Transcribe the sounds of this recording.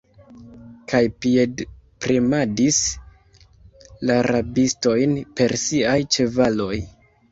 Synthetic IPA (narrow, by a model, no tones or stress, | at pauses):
kʰajpiedpɾimadis | laɾabisto̞jnpe̞ɾsiajt͡ʃe̞valo̞j